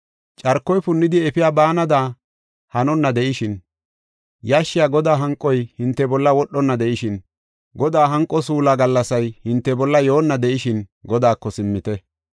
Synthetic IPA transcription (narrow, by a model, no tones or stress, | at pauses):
t͡ʃʼɐɾkːɔjpʊnːɪd̪ɪɛfɪjaːbaːnɐd̪aː | hɐnɔnːɐd̪ɛʔɪʃɪn | jaʃːɪjaːɡɔd̪aːɦɐŋkʼːɔjhɪnt̪ːɛbɔlːɐwɔɗːɔnːɐd̪ɛʔɪʃɪn | ɡɔd̪aːɦɐŋkʼːɔsuːlaɡɐlːɐsɐjhɪnt̪ːɛbɔlːɐjo̞ːnːɐd̪ɛʔɪʃɪnɡɔd̪aːkːɔsɪmːɪt̪ɛ